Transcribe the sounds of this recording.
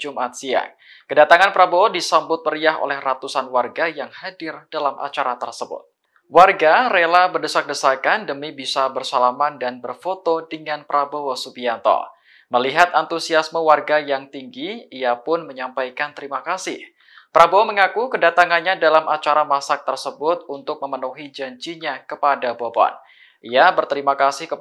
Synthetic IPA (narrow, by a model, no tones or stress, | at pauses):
d͡ʒumʔat̪̚sia̰k̚ | kədat̪aŋanpɾaboodisambʊt̪̚məɾiaɦo̰lɛhrat̪usanwarɡajaŋhadɪrdalamʔa̰t͡ʃaɾat̪ə̰rsəbʊ̰t̪̚ | warɡarelabərdəsak̚dəsakandəmibisabərsalamandanbərfot̪odəŋanpɾaboosupiant̪ɔ̰ | məliɦat̪ant̪usiasməwarɡajaŋt̪iŋɡiiapʊnməɲampajkant̪əɾimakasɪh | pəɾʔabooməŋakukədat̪aŋanɲadalamʔat͡ʃaɾamasak̚t̪ərsəbʊt̪̚unt̪ʊk̚məmənuɦid͡ʒaɲt͡ʃiɲakəpadabobɔ̰n | ʔiabərt̪əɾimakasɪhkə